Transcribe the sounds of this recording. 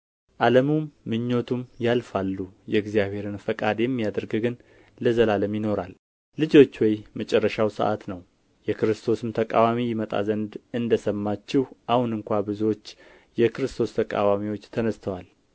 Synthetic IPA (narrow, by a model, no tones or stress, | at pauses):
ʔaləmumːɨɲːo̞t̪ʰumjalfalːujɛɨɡzijaβhe̞ɾɨnfəkʼad̪jɛmːijad̪əɾɡɨɡɨn | ləzəlaləmjɪno̞ɾal | lɨd͡ʒo̞t͡ʃːwɔjmət͡ʃʼɛrːəʃawsə̰ʔa̰t̪nəw | jɛkɨɾɨst̪ʰo̞sɨmt̪ʰəkʼa̰wamijɪmət̪ʼa̰zənd̪ɨnd̪əsəmːat͡ʃːɪhʔahunɨŋkʷabɨzuwo̞t͡ʃː | jɛkʰɨɾɨst̪ʰo̞st̪ʰəkʼa̰wamiwo̞t͡ʃːt̪ʰənəst̪ʰəwal